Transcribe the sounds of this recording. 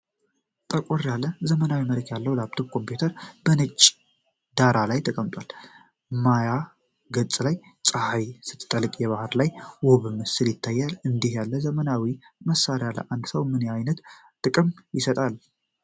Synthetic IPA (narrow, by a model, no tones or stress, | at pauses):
t̪ʼəkʼɔrjalːəzəmənawiməɾəkjalːəwlab̚t̪ʰobkʰo̞mpjut̪ʰəɾb̥ənɨt͡ʃʼː | d̪aɾalajt̪ʰəkʼəmt̪ʼwal | maja | ɡət͡sʼlaj | t͡sʼahajsɨ̥t̪ʼːt̪ʼəlɨkʼjɛβahɨɾlajwɔβɨmɨsɨljɪt̪ʰːajːalɨnd̪ihjalːəzəmənawiməsːaɾjalə̰ʔand̪səwmɨneajnət̪ | t̪ʼːɨkʼɨmjɪsət̪ʼal